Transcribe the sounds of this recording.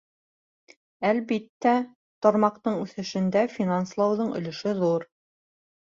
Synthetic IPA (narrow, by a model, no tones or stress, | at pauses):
ælβit̪ːæ | t̪ŏɾmɑqt̪ɤɴʉθɘ̆ʃɘ̆nd̪æfʲinanslˠɑwðɤɴɵ̰̆lɘ̆ʃɘðuɾ